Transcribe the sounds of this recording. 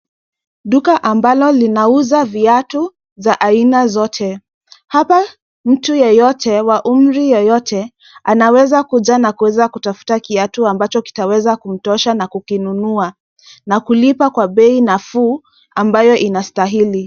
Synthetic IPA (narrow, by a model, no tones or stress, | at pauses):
ɗukaʔambalɔlinauzaviatu | vaʔainazɔtʰɛ | hapa | m̩tujɛjɔtʰɛwaʔum̩ɾijɔjɔtʰɛ | anawɛzakuʄanakuwɛzakutafu̥takiatuambat͡ʃɔki̥tawɛzakum̩tɔʃanakukinunua | nakulipakwaɓɛinafuː | ambajɔʔinastaɦili